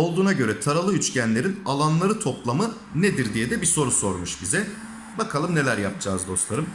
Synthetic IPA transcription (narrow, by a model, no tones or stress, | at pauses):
o̞lˠd̪uːnaɟø̞ɾɛt̪ʰaɾalˠɯyt͡ʃcænlʲe̞ɾinalˠanlˠaɾɯt̪ʰo̞plˠamɯ | ned̪iɾd̪ijɛd̪ɛbiso̞ɾuso̞ɾmuʃbizɛ | bakʰalˠɯmne̞lʲæɾjap̚d͡ʒaːzd̪o̞slˠaɾɯm